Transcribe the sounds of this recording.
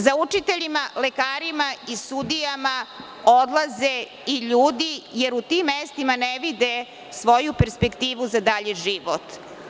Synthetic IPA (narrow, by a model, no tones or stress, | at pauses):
zaut͡ʂit̪eʎimalekaːɾimaisud̪ijama | od̪laze | iʎuːd̪ijeɾut̪imːest̪imaneʋid̪e | sʋo̞jupe̞ɾspe̞kt̪iːʋuzad̪aʎeʒiʋot̪